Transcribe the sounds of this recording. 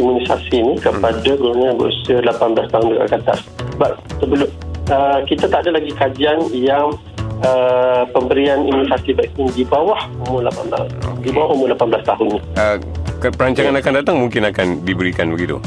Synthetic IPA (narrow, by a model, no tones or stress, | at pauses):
imunisa̰sinikəpadakəuɲãbə̰usəlapanbəlast̪aɦʊndəkɡa̰kat̪a̰s | əbap̚səbəlʊəkit̪at̪aʔadalaɡikad͡ʒianjaŋ | əpəmbəɾianimunisasibat̪ɪŋdibawahumʊlapanba̰dibawahumʊlapanblast̪aɦʊnːiəkəpəɾaɲt͡ʃaŋanakandat̪aŋmuŋkɪnakandibəɾikanbəɡit̪ṵ